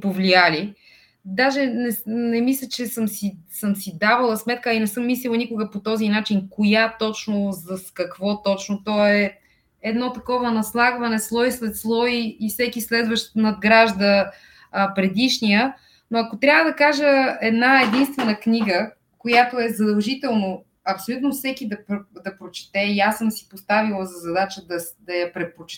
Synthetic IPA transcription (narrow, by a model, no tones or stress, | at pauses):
povliali | d̪aʒɛnɛnɛmislʲət͡ʃɛsəmsisəmsid̪avəlˠəsmɛt̪̚kəinɛsɤmːislʲilˠnikʊɡəpot̪ɔzinat͡ʃinkojat̪ɔt͡ʃnozɐskɐkvɔt̪ɔt͡ʃnot̪ɔɛ | ɛd̪nɔt̪ɐkɔvɐnɐslˠaɡvɐnɛslˠɔislɛt̪slˠɔiːfsɛkislɛd̪vəʃt̪nɐd̪̚ɡɾaʒd̪ə | pɾɛd̪iʃnijə | noɐkot̪ɾʲavəd̪ɐkaʒəɛd̪naɛd̪inst̪vɛnəkniɡə | kojat̪oɛzɐd̪ɐlˠʒit̪ɛlˠno | ɐpsolʲut̪nofsɛkid̪ɐpd̪ɐpɾot͡ʃɛ̥t̪ɛiasəmsi̥post̪avilˠəzɐzɐd̪at͡ʃəd̪ɐd̪ɐjɐpɾɛt̪̚pot͡ʃ